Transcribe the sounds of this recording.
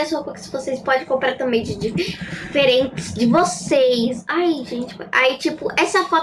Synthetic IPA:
esoɐkõkɪsɪvosejspɔd͡ʒẽj̃kõplɛɾt̪ɐ̃mẽj̃t͡ʃɪd͡ʒifeɾẽntɪ̥sd͡ʒɪvosejsajʒẽnt͡ʃɪ̥ka̰it͡ʃipʊʔɛsɐfɔt̪

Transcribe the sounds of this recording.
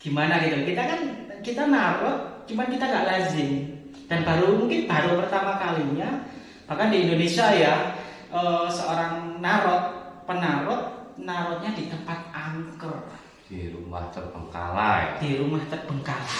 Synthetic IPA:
ɡ̥imanaɡit̪ukit̪akankit̪anaɾɔt̪̚t͡ʃumankit̪aŋɡaʔlazɪŋ | d̥anbaɾumuŋkɪnb̥aɾupərt̪amakaliɲa | makandiːndonesiaja | ʔəsəoɾaŋnaɾɔt̪̚pənaɾɔt̪̚naɾɔt̪̚ɲadit̪əmpat̪̚aŋkər | d̥iɾṵma̰ht̪ərb̥əŋka̰la̰d̥iɾumaht̪ərb̥əŋkala

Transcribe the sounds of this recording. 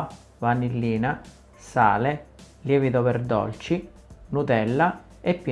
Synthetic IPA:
vanilːiːna | sa̰ːleljɛːvid̪opɛrd̪ɔ̰lt͡ʃi | nut̪ɛlːa | epːi

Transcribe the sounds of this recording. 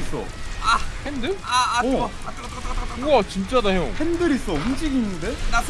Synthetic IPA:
is͈ʌ̰ahendɯɭaa | at͡ɕimt͡ɕ͈adaɦeo̰hendɯɾis͈ʌɸund͡ʑiɡinːɯndenasʰ

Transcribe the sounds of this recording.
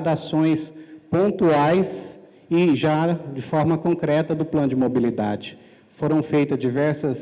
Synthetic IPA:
d̪asõj̃spõnt̪uajs | ɪʒad͡ʒɪfɔɾmɐkõkɾɛt̪ɐd̪ʊplɐ̃nʊd͡ʒɪmobilid̪ad͡ʒɪ | foɾɐ̃w̃fejt̪ɐzd͡ʒivɛɾsɐs

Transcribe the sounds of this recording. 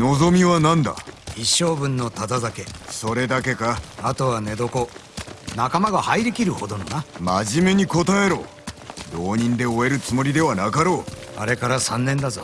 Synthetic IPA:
no̞zo̞mʲiβanãnd̪a̰iɕːo̞ːbɯ̟̃nːo̞t̪ad̪azake̞so̞ɾe̞d̪ake̞kaat̪o̞βane̞d̪o̞ko̞nakamaɡahaiɾɯkʲiɾɯ̟ho̞d̪o̞nonamaʑime̞ɲ̟iko̞t̪ae̞ɾoː | d̪o̞ːɲ̟ĩnd̪e̞o̞e̞ɾɯ̟t͡sɨmo̞ɾʲid̪e̞βanakaɾo̞ːa̰ɾe̞kaɾasãnːẽ̞nd̪azo

